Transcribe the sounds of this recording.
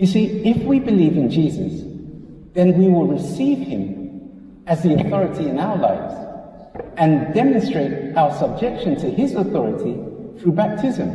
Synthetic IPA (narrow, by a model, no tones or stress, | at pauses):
jɨsiɪfwibɨlivɨ̃nd͡ʒizə̰s | ðɨ̃nwiwɪlˠɹɨsiv̥ɪ̃m | ɨzðiəθɔɹɨɾiɨ̃naʊə˞laɪvz̥ | ɨ̃ndɛmɨ̃nstɹ̥eɪɾaʊə˞sʌb̚d͡ʒɛkʃɨ̃ntʰɨɪzəθɔɹɨɾiθɹʉbæp̚tʰɪzɨ̃m